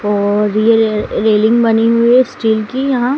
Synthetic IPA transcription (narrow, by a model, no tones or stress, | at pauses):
ɔːɾjeɾeːlɪ̃ŋɡbɐniɦʊisʈiːlkijɐɦã